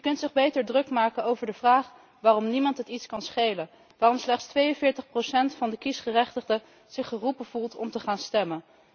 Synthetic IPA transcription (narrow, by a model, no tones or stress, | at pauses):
jəkɵntsɪχbejtəɹdrɵkmaːkənowvəɹdəv̥raːχ | ʋaːrɔmnimɑntɦətitskɑnsχejlən | ʋaːrɔmslɛχtstʋejənvɪːɹtəχprosɛntfɑndəkisχərɛχtəχdə | z̥ɪχːərupəv̥ulˠtʰɔ̰mtəχaːnstɛmən